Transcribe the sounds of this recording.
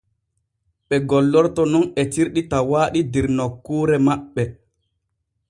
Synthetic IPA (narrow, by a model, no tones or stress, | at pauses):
ɓɛɡɔlːɔɾtɔnɔnɛtiɾɗitawaːɗidiɾnɔkːuːɾɛmaɓːɛ